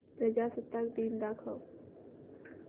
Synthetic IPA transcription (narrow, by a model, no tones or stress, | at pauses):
pɾəd͡ʒaːsət̪ːakd̪iːnd̪aːkʰa